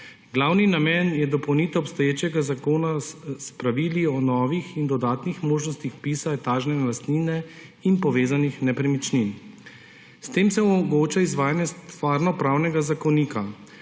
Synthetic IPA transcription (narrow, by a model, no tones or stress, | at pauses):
ɡlawninamɛnjɛd̪ɔpɔwnit̪ɛɔpst̪ɔjeːt͡ʃɛɡazakoːnaspɾaʋiːliɔnɔːʋixind̪ɔd̪aːt̪nixmoːʒnɔst̪ixpiːsat̪aːʒnɛnɛlast̪niːnɛ | inpɔʋeːzanixnɛpɾɛmit͡ʃnin | st̪eːmsɛɔmɔɡoːt͡ʃaizʋaːjanjɛst̪ʋaːɾnɔpɾaːwnɛɡazakɔniːka